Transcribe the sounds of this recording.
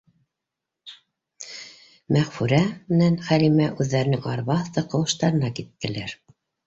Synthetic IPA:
mæʁfʉɾæmɘ̆nænχælimæʔʉðːæɾɘ̆nɘŋɑɾβɑθt̪ɤqɤ̆wɤ̆ʃt̪ɑɾɤ̆nɑkit̪̚k̪ɘ̆læɾ

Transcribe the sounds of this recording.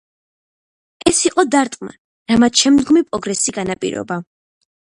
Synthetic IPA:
ɛsiqʼɔd̪aɾt̪ʼqʼma̰ | ɾamat̪ʃɛmd̪ɡɔmipʼɾɔɡɾɛsiɡanapʼḭɾɔ̰ba

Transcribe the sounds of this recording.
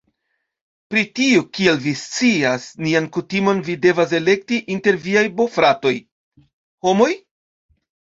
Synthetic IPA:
pɾitiukielvist͡siasniankutimo̞nvide̞vas̬e̞le̞k̚tiʔinte̞ɾviajbo̞fɾato̞j | ho̞mo̞j

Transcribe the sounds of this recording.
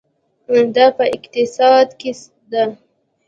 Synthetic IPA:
d̪ɑpəɪqt̪ɪsɑd̪ke | d̪a

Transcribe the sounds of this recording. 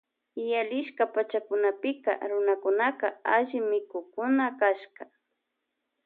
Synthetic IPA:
jalɪʃkapat͡ʃakʊnapɪka̰ɾʊnakʊnakaaʒɪmɪkʊkʊnakaʃka

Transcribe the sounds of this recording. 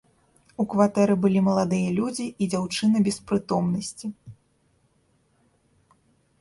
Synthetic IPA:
ukvat̪ɛɾɨbɨlʲimɐlˠad̪ɨjɐlʲud͡zʲiːd͡zʲawt͡ʂɨnɨbʲɛspɾɨt̪ɔmnɐsʲt͡sʲi

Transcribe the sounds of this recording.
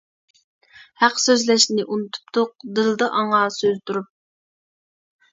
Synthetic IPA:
hæqsøzlɛʃnɪʔunut̪ʰu̥pt̪ʊq̚d̪ɨlˠd̪ɑʔɑɴɑːsøzt̪uɾup̚

